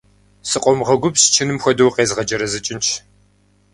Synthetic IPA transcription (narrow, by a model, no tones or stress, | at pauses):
sɨqʷʼɔmʁɐɡʷʊbst͡ʃʰɪnɨmxʷɔdɐwqeːzʁɐd͡ʒɐɾɐzɨt͡ʃʼɪnt͡ʃʰ